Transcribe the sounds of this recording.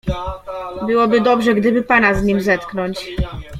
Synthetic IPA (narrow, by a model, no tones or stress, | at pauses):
bɘwɔbɘd̪ɔbʐɛɡd̪ɘbɘpanazɲimzɛt̪knɔɲt͡ɕ